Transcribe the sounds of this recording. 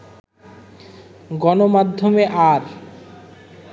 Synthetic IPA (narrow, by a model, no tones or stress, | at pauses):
ɡɔnomad̪ʱːomeʔaɾ